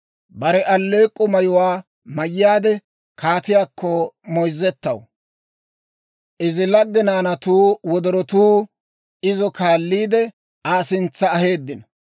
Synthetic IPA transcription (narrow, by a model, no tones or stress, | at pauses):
bɐɾɛʔɐlːe̞ːkʼːʊmɐjʊwaː | mɐjːaːd̪ɛ | kʰaːt̪ɪjaːkːɔmɔjzːɛt̪ːɐ̰w | ʔɪzɪlɐɡːɪnaːnɐt̪uːwɔd̪ɔɾɔt̪uː | ɪzɔkaːlːiːd̪ɛ | aːsɪnt͡sːɐːhe̞ːd̪ːɪnɐ